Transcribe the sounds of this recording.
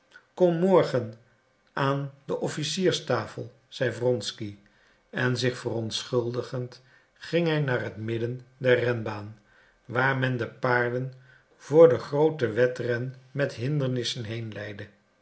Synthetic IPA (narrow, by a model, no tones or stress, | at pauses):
kɔmːɔɹχən | ʔaːndəʔɔfisiːɹstaːfəlˠ | z̥ɛjvrɔnski | ɛnzɪχfərɔntsχɵlˠdəχənt | χɪŋɦɛjnaːrɦətmɪdəndɛɹrɛnbaːn | ʋaːɹmɛndəpaːɹdən | v̥ʊːɹdəχrowtəʋɛtrɛnmɛtɦɪndəɹnɪsənɦejnlɛjdə